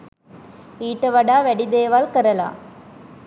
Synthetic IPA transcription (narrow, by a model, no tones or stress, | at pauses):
iːʈːɐʋɐɽaːʋɛɽid̪eːʋaːlkɐɾɐla̰ː